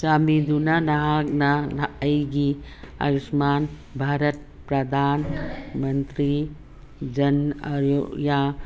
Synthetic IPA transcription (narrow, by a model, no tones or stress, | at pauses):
saːmid̪unanaɦaknanaʔɐjɡiɐ̰ɾismaːn | bʱaːɾət̪̚ | pɾɐd̪ʱaːnmɐnt̪ɾi | d͡ʒɐnaɾjoja